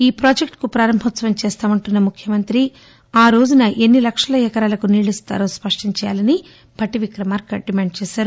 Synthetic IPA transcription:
iːpɾoːd͡ʒekʈkupɾaːɾɐmbʱɔt̪sɐʋɐmt͡ʃɛːst̪aːmɐɳʈunːɐmukʰjɐmɐnt̪ɾi | aːɾo̞ːd͡ʒunɐʔe̞nːilɐkʂɐlɐjɛkɐɾaːlɐkuniːɭist̪a̰ːɾo̞ːspɐʂʈiɲt͡ʃɛːja̰ːlɐni | bʱɐʈiʋikɾɐmaːɾkɐɖimaːɳɖt͡ʃɛːʃaːɾu

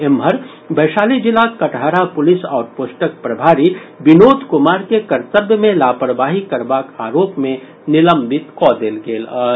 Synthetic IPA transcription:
emʱəɾ | bɐːʃaːled͡ʒɪlaːkɐʈʰaːɾapʊlɪsaːɾpoːsʈək̚pɾɐbʱaːɾibɪnoːd̪ʱkʊmaːɾkekɐɾt̪əbjəmẽlaːpɾbaːɦikɐɾbaːkaːɾoːpmẽ | nɪlə̃mbɪt̪kɔːd̪elɡeːl

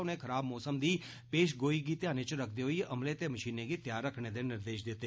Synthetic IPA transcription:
ʊnẽkʰəɾaːbmɔːsəmd̪iː | peːʃ̬ɡoːiɡit̪ɪjaːnẽt͡ʃɾək̚ʰd̪eɦoiʔɐmlet̪eməʃiːnẽɡit̪jaːɾːəkʰɽed̪enɪɾd̪eːʃd̪ɪt̪eː

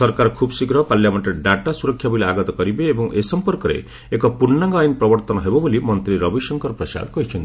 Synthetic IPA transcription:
sɔɾkaɾkʰubsikɾɔpaljamaʈ̪eɖaʈasuɾɔkʰːjabileaɡɔt̪ɔkɔɾibeːbɔŋʔesɔmpɔɾkɔɾḛ | ekɔpuɾnaŋɡɔajnpɾɔbɔɾt̪ɔnɔɦebɔbolimʌnt̪ɾiɾʌbisɔŋkɔɾpɾɔsa̰d̪kɔɦit͡ʃʰɔnt̪

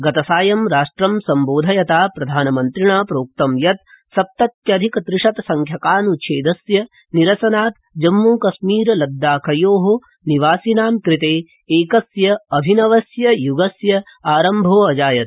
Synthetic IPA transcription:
ɡɐt̪ɐsaːjɐmɾaːʂʈɾɐmsɐmboːd̪ʱɐjɐt̪aːpɾɐd̪ʱaːnɐmɐnt̪ɾiɳaːpɾoːk̚t̪ɐmjɐt̪̚ | sɐp̚t̪ɐt̪̚jɐd̪ʱikɐt̪ɾɪʂɐt̪ɐsɐŋkʰjɐkaːnut͡ʃʰeːd̪ɐsjɐ | niɾɐsɐnaːt̪ | d͡ʒɐmːuːkɐsmiːɾɐlɐd̪ːaːkʰɐjoːɦo | niʋaːsinaːmkɾit̪eː | eːkɐsjɐɐbʱinɐʋɐsjɐjuɡɐsjɐ | aːɾɐmbʱoːɐd͡ʒaːjɐt̪

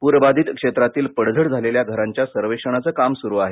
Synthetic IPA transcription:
puɾbad̪ʱiːt̪kʂet̪ɾat̪iːlpəɽd͡zʱəɽd͡zʱaleljaɡʱəɾaɲt͡ɕjasəɾʋekʂəɳ̃at͡səːkamsuɾuːaɦe

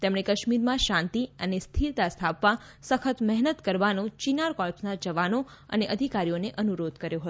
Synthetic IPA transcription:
t̪emɳekəʃmiɾmãʃãnt̪iənest̪ʰiɾt̪ast̪ʰapʋa | səkʰət̪mɛɦnət̪kəɾʋanũt͡ʃinaɾkɔlpsnad͡ʒəʋano | ə̰neʔəd̪ʱikaɾijoneʔənuɾod̪ʱkəɾjoɦət̪o

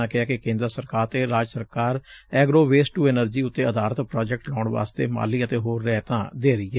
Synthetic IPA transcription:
ãːkɪaːkɪkẽːnd̪əɾsəɾkaːɾt̪eːɾaːd͡ʒsəɾkaːɾɛːɡɾoːʋeːsʈuːɛnəɾd͡ʒiːʊt̪ːeːəd̪aːɾət̪pɾaːd͡ʒɛk̚ʈlaːʊɳʋa̰ːst̪ḛːma̰ːliːət̪eːɦoːɾːɛːt̪ã̰ːd̪eːɾəiːɛː

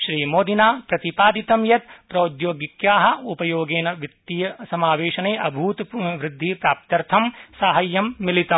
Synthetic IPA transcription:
ʃɾiːmoːd̪inaːpɾɐt̪ipaːd̪it̪ɐmjɐt̪pɾɐːd̪joːɡikjaːɦɐ̆upɐjoːɡeːnɐʋit̪ːijɐsɐmaːʋeːʃɐneːʔɐbʱuːt̪ʋɾɪd̪ʱːipɾaːp̚t̪ɐɾt̪ʰɐmsaːɦɐjːɐmːilit̪ɐm

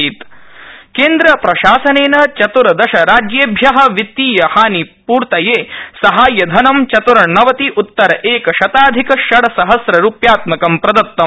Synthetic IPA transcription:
it̪keːnd̪ɾɐpɾɐʃaːsɐneːnɐt͡ʃɐt̪uɾɐd̪ɐʃɐɾaːd͡ʒjeːbʱjɐɦɐ̆ʋit̪ːiːjɐhaːnipuːɾt̪ɐjeːsɐɦaːjɐd̪ʱɐnɐmt͡ʃɐt̪uɾɐnɐʋɐt̪iʔut̪ːɐɾɐʔeːkɐʃɐt̪aːd̪ʱikɐʃɐɽɐsɐɦɐsɾɐɾuːpjaːt̪mɐkɐmpɾɐd̪ɐt̪ːɐ

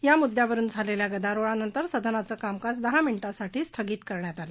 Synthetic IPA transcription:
jamud̪ʱjaʋəɾuːnd͡zʱaleljaɡəd̪aɾoɭanənt̪əɾsəd̪ʱənat͡səːkamkasd̪əɦamiɳiʈasaʈʰiːst̪ʰəɡiːt̪kəɾɳjat̪alə

